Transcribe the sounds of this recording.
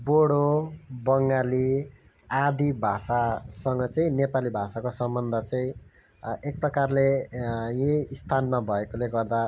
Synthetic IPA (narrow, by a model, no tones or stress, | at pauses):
boɽobʌŋɡali | ad̪ibʱasasʌŋɡʌt͡sʌĩnepalibʱasakosʌmbʌnd̪ʱʌt͡sʌĩ | ek̚prʌkarlejeist̪ʰanmabʱʌekoleɡʌrd̪a